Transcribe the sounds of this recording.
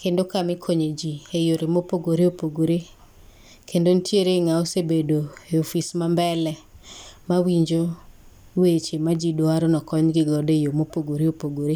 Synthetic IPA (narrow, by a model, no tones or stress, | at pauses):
kendokamɪkʰoɲed͡ʒiejoɾemopoɡoɾeopoɡoɾe | kʰendontjeɾeŋaosebedoeofismambɛlɛmawiɲd͡ʒo | wet͡ʃemad͡ʒidwaɾɔnɔkɔɲɡɪɡɔdejomopoɡoɾeopoɡoɾe